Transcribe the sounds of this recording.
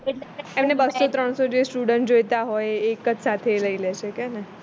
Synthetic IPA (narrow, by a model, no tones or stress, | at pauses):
eemnebəsːot̪ɾəɳsod͡ʒesʈuɽəɳʈd͡ʒojt̪aɦojekəd͡ʒsat̪ʰeləileʃʰekɛne